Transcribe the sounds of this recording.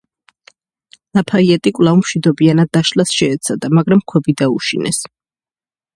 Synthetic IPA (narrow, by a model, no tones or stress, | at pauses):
lapʰaiɛt̪ʼikʼwlˠavumʃwid̪ɔbianad̪ːaʃlasʃɛːt̪sʰad̪amaɡɾamkʰwɛbid̪auʃḭnɛ̰s